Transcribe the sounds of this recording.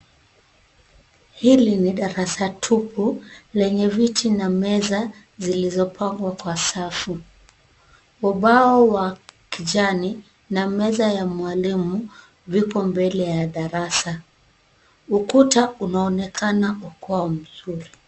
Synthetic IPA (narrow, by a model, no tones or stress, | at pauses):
hiliniɗaɾasatʰupʰulɛɲɛvitinamɛza | zilizɔpʰaŋɡwakwasafu | uɓaɔwakiʄani | namɛzajamwalimu | vikɔmbɛlɛjaɗaɾasa | ukutaunaɔnɛkanaukaɔm̩zuɾi